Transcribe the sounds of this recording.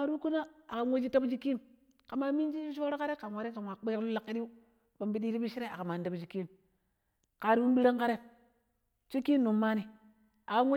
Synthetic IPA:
a˨ɾu˦ku˦na˦a˨ka˨nwo˦d͡ʒi˦ta˦bd͡ʒi˦kːi˦m | ka˨ma˨mi˦n˦d͡ʒi˦d͡ʒi˦ʃo˦ɾo˦ka˦ɾe˦ka˨nwa˨˦ɾi˦ka˨wa˨k͡pe˦ɾa˦lu˦la˨kːi˦di˦u˦ | ba˨mbi˦di˦ɾi˦bi˦ʃi˦ɾe˦a˨ka˨ma˨n˦da˨bd͡ʒi˨ki˦m | ka˨ɾi˦wu˦mbi˦ɾa˦ŋka˦ɾe˦ | t͡ʃi˦kːi˦m˦nu˨mːa˦ni˨˦ | a˨ka˨nwo˦

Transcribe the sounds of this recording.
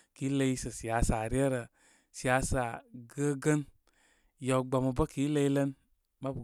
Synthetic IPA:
ki˨˦lə˧i˦sə˨si˨a˨˦sa˨ɾi˦e˦ɾə˨ | si˨a˧˦sa˨ɡə˦ɡə˦n | ja˨wɡ͡ba˨mə˧bə˦ki˦lə˧i˦lə˦n | ma˦bu˨

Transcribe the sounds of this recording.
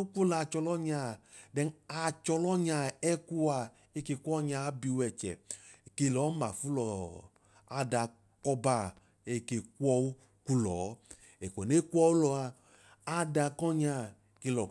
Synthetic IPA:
u˦k͡pʷo˦la˧˨t͡ʃɔ˧lɔ˦ɲa˧˨dɛ˧na˧t͡ʃɔ˧lɔ˦ɲa˧˨ɛ˦ku˦a˧ | e˧ke˧kʷɔ˦ɲa˧˦bi˧wɛ˨t͡ʃɛ̰˨ke˧lɔ˨˦ma˨fu˦lɔ˨ | a˨˧da˧˨ | kɔ˧ba˧˨ | e˧ke˧ku˦ɔ˧wu˦ | ku˧lɔ̰ː˨˦ | e˨ku˨ɔ˨ne˦ku˦ɔ˧˦wu˦lɔ˧a˧ | a˦da˧kɔ˦ɲa˧˨ | ke˧lɔ˨

